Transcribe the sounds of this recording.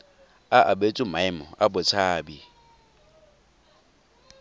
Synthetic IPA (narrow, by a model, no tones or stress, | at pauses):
aʔabet͡sʼʊmaɪmɔ̰abʊt͡sʰaːbi